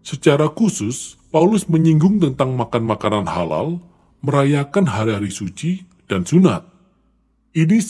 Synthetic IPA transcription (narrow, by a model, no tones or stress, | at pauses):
sət͡ʃaɾakusʊspaulʊsməɲiŋɡʊŋt̪ənt̪aŋmakanmakananha̰la̰l | məɾajakanɦaɾiɦaɾisut͡ʃi | d̥ansuna̰t̪̚ | ʔini